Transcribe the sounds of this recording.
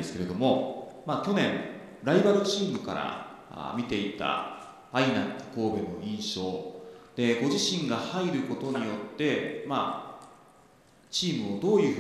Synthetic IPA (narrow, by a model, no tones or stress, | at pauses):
esɨ̥ke̞ɾe̞d̪o̞mo̞maːkʲo̞nẽ̞ɴ | ɾaibaɾɯ̟t͡ɕiːmɯ̟ka̰ɾa̰ | mʲit̪e̞it̪a̰ | ainaŋk̪o̥ko̞ːbeno̞̰ĩɰ̃ɕo̞ːd̪̥e̞ɡo̞ʑiɕĩŋɡahaiɾɯ̟ko̞t̪o̞ɲ̟ijo̞t̪ːe̞ma̰ | t͡ɕiːmɯ̟o̞d̪o̞ːjɯ̟ːɸ